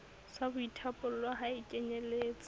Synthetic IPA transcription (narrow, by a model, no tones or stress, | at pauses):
sabʊitʰapʼʊlwaɦaikʼɛɲeleːt͡sʼḁ